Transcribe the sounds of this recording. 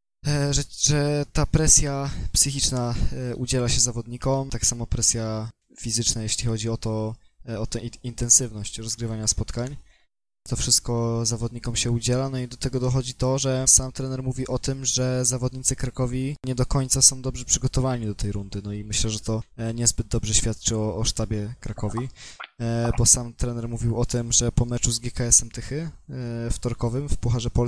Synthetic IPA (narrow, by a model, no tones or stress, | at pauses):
ʐɛʐɛt̪apɾɛsʲjapsɘxʲit͡ʂnaʔud͡ʑɛlaɕɛzavɔd̪ɲikɔmt̪aksamɔpɾɛsʲja | fʲizɘt͡ʂnajɛɕlʲixɔd͡ʑiɔt̪ɔ | ɔt̪ɛint̪ɛnsɘvnɔɕt͡ɕɾɔzɡɾɘvaɲaspɔt̪kaɲ | t̪ɔfʂɘst̪̚kɔzavɔd̪ɲikɔmɕɛud͡ʑɛlanɔid̪ɔt̪ɛɡɔd̪ɔxɔd͡ʑit̪ɔʐɛsamt̪ɾɛnɛɾmuvʲiʔɔt̪ɘmʐɛzavɔd̪ɲit̪sɘkɾakɔvʲiɲɛd̪ɔkɔɲt̪sasɔ̃w̃d̪ɔbʐɛpʂɘɡɔt̪ɔvaɲid̪ɔt̪ʰɛjɾund̪ɘnɔimɘɕlɛʐɛt̪ɔɲɛzbɘd̪̚d̪ɔbʐɛɕfʲjat̪̚t͡ʂɘɔːʂt̪abʲjɛkɾakɔvʲi | bɔsamt̪ɾɛnɛɾmuvʲiwɔt̪ɘmʐɛpɔmɛt͡ʂuzɡʲjɛkaɛsɛmt̪ɘxɘ | ft̪ɔɾkɔvɘmfpuxaʐɛpɔ